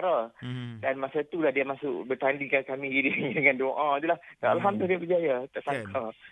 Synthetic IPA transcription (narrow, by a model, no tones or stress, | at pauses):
ɾadanmasat̪ulahdiamasʊ̰ʔbərt̪andikakamĩdiaŋdəŋandoʔãit̪ulahalɦamd̪uldiabəd͡ʒajat̪aʔsakʰa